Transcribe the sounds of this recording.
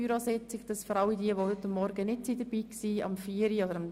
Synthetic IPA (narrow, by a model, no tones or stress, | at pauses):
yɾosɛt͡sɪkd̥ɑsfɔɾɑlidiəʋodʏtːəmːɔɾɡənɪtsiːdəb̥iːksiːɑ̰mfiːəɾiodəɾɑm